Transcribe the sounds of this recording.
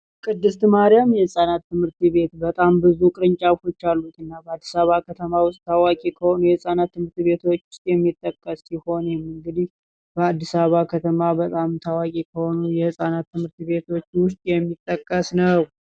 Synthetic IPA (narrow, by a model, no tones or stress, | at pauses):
kʼɨd̪ːɨst̪ɨmaɾjamjɛhɨsʼanat̪ːɨmhɨɾt̪βe̞t̪bət̪ʼambɨzukʼɨɾɨɲt͡ʃʼawfo̞t͡ʃːalːut̪ɨnːabəad̪ːisaβakʰət̪ʰəmawʊst̪ʼːawakʼikʰəhonujɛhɨsʼanat̪ːɨmɨɾt̪βe̞t̪ʰo̞t͡ʃːwʊst̪ʼjɛmːit̪ʼːəkʼːəsːiho̞njɛmɨŋɡɨd̪ih | bəad̪ːisaβakʰət̪ʰəmabət̪ʼamt̪ʰawakʼikʰəho̞nujɛhɨsʼanat̪ʰːɨmhɨɾt̪βe̞t̪ʰo̞t͡ʃːwʊst̪ʼjɛmːit̪ʼːəkʼːəsnəw